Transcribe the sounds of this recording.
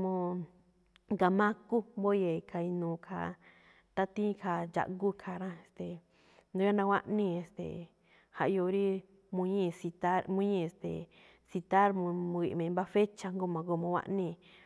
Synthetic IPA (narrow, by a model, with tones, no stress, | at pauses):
mõ˧ | ŋɡa˨mã˦ku˦mbo˦je˧˨˧kʰa˧i˧nũː˨kʰa̰˧ | t̪a˦t̪ĩ˦˧kʰa˧d͡ʒa̰˨ʔɡu˦kʰa˧˨ɾã˦˧e˧˨st̪e˨ | nd̪ũ˧jo˦nã˧wʷa˦ʔnĩ˦˧e˧˨st̪ḛ˨ | ha˧ʔjo˧ɾi˦ | mũ˧ɲĩ˦˧si˧t̪a˦mũ˧˦ɲĩ˦˧e˧st̪ḛ˨ | si˧t̪a˦ɾmũ˧mũ˧i˧˨mẽ˧mba˦fe˦t͡ʃa˧ŋɡo˦˧mã˨ɡo˧˨mõ˧wʷa̰˦ʔnĩ˧